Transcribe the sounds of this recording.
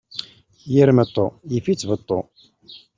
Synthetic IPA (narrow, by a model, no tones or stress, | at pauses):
jiɾmət̪ˤːojəfit͡sːvət̪ˤːo̰